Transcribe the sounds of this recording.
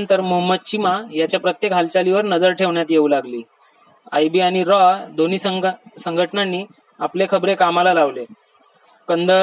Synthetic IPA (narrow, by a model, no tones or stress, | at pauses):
nt̪əɾmoɦəməd̪̚t͡ɕimajat͡ɕjapɾət̪jekɦalt͡ɕaliʋəɾnəd͡zəɾʈʰeʋɳjat̪jeuːlaɡliː | ajbiaɽ̃iɾɔad̪oniːsəsəŋɡʱəʈnanːiː | aplekʰəbɾekamalalaʋle | kənd̪ə